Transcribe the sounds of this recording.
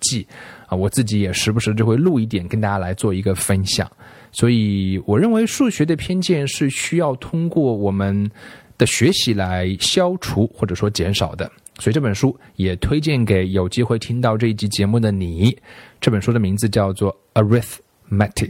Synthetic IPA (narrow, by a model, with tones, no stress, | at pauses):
t͡ɕi˥˩ə˧˩wɔ˨˩t͡sɹ̩˥˩t͡ɕi˧˥jɛ˨˩ʂɻ̩˥˧˩bʂɻ̩˥˧t͡ɕjo˥˧ʊxwe˥˧ɪlu˥˧i˥˩t̪̬jɛ˨˩nkə˥nt̪a˥˧˩t͡ɕja˥la˧˥ɪt͡swɔ˥˩i˧˥ɡə˧fə˥nɕjɑ̰˨˩˦ŋ | swɔ˧˥i˨˧˩wɔ˨˩ɻə˥˩nwe˧˥ɪʂu˥˩ɕɥɛ˧˥d̪ə˨˧pʰjɛ˥nt͡ɕjɛ˥˧nʂɻ̩˥˩ɕy˥jɑ˥˩ʊt̪ʰʊ˥ŋkwɔ˥˩wɔ˨˩mə˧˦nd̪̥ə˨ɕɥɛ˧˥ɕi˧˥la˧˥ɪɕjɑ˥ʊʈ͡ʂʰu˧˥xwɔ˥˩ʈ͡ʂɤ˨˩ʂwɔ˥t͡ɕjɛ˧˥nʂɑ˨˩ʊd̪ə˦ | swɔ˧˥i˨˩ʈ͡ʂɤ˥˩ə˨˩nʂu˥jɛ˨˩t̪ʰwe˥ɪt͡ɕjɛ˥˩nke˧˥ɪjo˨˩ʊt͡ɕi˥xwe˥˩ɪt̪ʰi˥ŋt̪ɑ˥˧ʊʈ͡ʂɤ˥˧i˥˩t͡ɕi˧˥t͡ɕjɛ˧˥mu˥˩d̪ə˩ni˨˩˦ʈ͡ʂɤ˥˩pə˨˩nʂu˥d̪ə˨mi˧˥ŋd͡zɹ̩˧t͡ɕjɑ˥˧ʊt͡swɔ˥˩ | ə˧ɹi˥θ | mɛ˥t̪ʰi˨˩k